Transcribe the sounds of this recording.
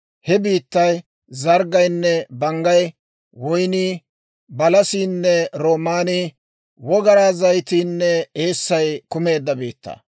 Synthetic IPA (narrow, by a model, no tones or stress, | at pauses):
hɛbiːt̪ːɐj | zɐɾɡɐjnːɛbɐŋɡɐj | wɔjniː | bɐlɐsiːnːɛɾo̞ːmaːni | wɔɡɐɾaːzɐjt̪iːnːɛeːsːɐjkʊme̞ːd̪ːɐbiːt̪ːɐ̰ː